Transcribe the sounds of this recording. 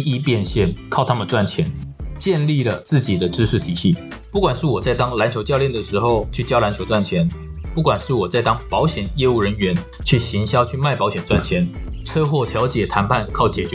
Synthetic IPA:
i˧˥pjɛ˥˧nɕjɛ˥˩nkʰɑ˥˩ʊt̪ʰa˥mə˨nt͡swa˥˩nt͡ɕʰjɛ˧˥nt͡ɕjɛ˥˧nli˥˩lə˩t͡sɹ̩˥˩t͡ɕi˨˩d̪ə˦ʈ͡ʂɻ̩˥ʂɻ̩˥˩t̪ʰi˨˩˦ɕi˥˩ | pu˥˩kwa˨˩nʂɻ̩˥˩wɔ˨˩t͡sa˥˩ɪt̪ɑ˥ŋla˧˥nt͡ɕʰjo˧˥ʊt͡ɕjɑ˥˧ʊljɛ˥˩nd̪ə˩ʂɻ̩˧˥xo˥˧ʊt͡ɕʰy˥˩t͡ɕjɑ˥ʊla˧˥nt͡ɕʰjo˧˥ʊʈ͡ʂwa˥˩nt͡ɕʰjɛ˧˥n | pu˥˩kwa˨˩nʂɻ̩˥˩wɔ˨˩t͡sa˥˩ɪt̪ɑ˥ŋpɑ˧˥ʊɕjɛ˨˩njɛ˥˧u˥˩ɻə˧˥nɥɛ˧˥n | t͡ɕʰy˥˩ɕi˧˥ŋɕjɑ˥ʊt͡ɕʰy˥˧ma˥˩ɪpɑ˧˥ʊɕjɛ˨˩nʈ͡ʂwa̰˥˩nt͡ɕʰjɛ˧˥nʈ͡ʂʰɤ˥xwɔ˥˩t̪ʰjɑ˧˥ʊt͡ɕjɛ˨˩t̪ʰa˧˥npʰa˥˩nkʰɑ˥˩ʊt͡ɕjɛ˨˩t͡ɕɥɛ˧˦

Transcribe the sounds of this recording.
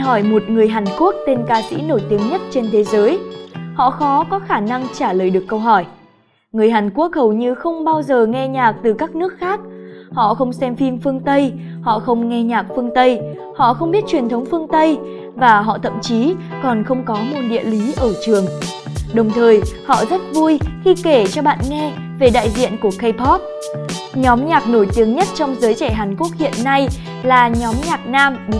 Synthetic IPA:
ɦɔ˧˩jmo˨˩t̚ŋɨ˨˩əjɦaː˨˩nku˦˥ək̚t̪e˧nkaː˧sḭ˧˥no˧˩jt̪i˨˦əŋɲə˦˥t̚t͡ɕe˧nt̪ʰe˨˦zəː˨˦jhɔ̰˧˨xɔ˨˦kɔ˨˦xaː˧˩na˧ŋt͡ɕaː˧˩ləː˨˩jɗɨ˨˩əkːə˧wɦɔ˧˩j | ŋɨ˨˩əjɦaː˨˩nku˦˥ək̚hə˨˩wɲɨ˧xə˧wŋ͡mɓaː˧wzəː˨˩ŋɛ˧ɲaː˨˩k̚t̪ɨ˨˩kaː˦˥k̚nɨ˦˥ək̚xaː˦˥k̚hɔ̰˧˨xə˧wŋ͡msɛ˧mfi˧mfɨ˧əŋt̪ə˧jhɔ̰˧˨xə˧wŋ͡mŋɛ˧ɲaː˨˩k̚fɨ˧əŋt̪ə˧j | hɔ̰˧˨xə˧wŋ͡mɓi˦˥ət̚t͡ɕwi˨˩nt̪ʰə˨˦wŋ͡mfɨ˧əŋt̪ə˧j | vaː˨˩ɦɔ̰˧˨t̪ʰə̰˧˨mt͡ɕi˨˦kɔ˨˩nxə˧wŋ͡mkɔ˨˦mu˧˩nɗḭ˧˨əli˨˦ʔəː˧˩t͡ɕɨ˨˩əŋɗə˨˩wŋ͡mt̪ʰəː˨˩jhɔ̰˧˨zə˦˥t̚vu˧jxi˧ke˧˩t͡ɕɔ˧ɓa̰ː˧˨nŋɛ˧ | ve˨˩ɗa̰ː˧˨jzḭ˧˨ənku˧˩əxə˧jpʰɔ˦˥p̚ | ɲɔ˨˦mɲaː˨˩k̚no˧˩jt̪i˨˦əŋɲə˦˥t̚t͡ɕɔ˧wŋ͡mzəː˨˦jt͡ɕɛ˧˩ɦaː˨˩nku˦˥ək̚hḭ˧˨ənːa˧j | laː˨˩ɲɔ˨˦mɲaː˨˩k̚naː˧m

